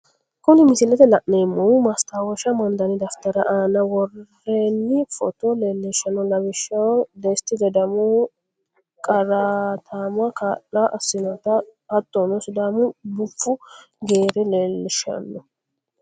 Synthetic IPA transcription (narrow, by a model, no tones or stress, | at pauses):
kʊnɪmɪsɪlːɛt̪ɛlɐʔnemːɔmɐst̪aːwɔʃɐmɐnd̪ɐnɪd̪ɐft̪ɐɾɐʔaːnɐwɔrː | eːnːɪfɔ̰t̪ɔleːlːɪʃɐnːɔlɐbɪʃːɐwd̪est̪ːɪd̪ɛd̪ɐmu | kʼɐɾaːt̪ʰaːmʊɐkaːʔːɐʔɐsːɪnɔt̪ɐhɐt̪ːɔnɔsʊd̪aːmʊbʊfːʊ | ɡeːɾɛleːlːɪʃɐ̰nːɔ